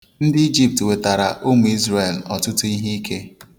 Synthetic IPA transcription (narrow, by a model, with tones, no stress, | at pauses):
n̩˦dɪ˦i˦d͡ʒi˨p̚twe˨ta˨ɾa˨ʔo˦mu˨i˦zɾe˨lɔ̰˨tʊ˦tʊ˦i˦ɦi˦i˦kʰe˦